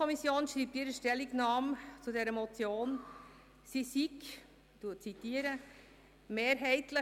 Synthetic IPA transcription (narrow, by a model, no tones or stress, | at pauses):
ɔmisjoːnʃɾiːp̚t̪iːɾəʃtɛlːiɡnɑːmt͡sudɛɾəmɔt͡sjoːn | sisik | tuːət̚t͡sitiːəɾə | meːɾɦɛɪtlə